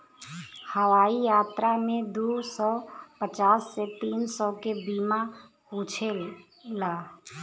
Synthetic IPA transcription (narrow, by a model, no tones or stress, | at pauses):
həwaːijaːt̪ɾamẽd̪usɔpət͡ʃaːsːet̪iːnsɔkebiːma | kũːt͡ʃʰe | laː